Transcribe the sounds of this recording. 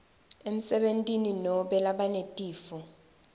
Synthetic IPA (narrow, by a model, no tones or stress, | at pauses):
em̩sɛɓentʼininɔɓɛlaɓanetʼiːfɔ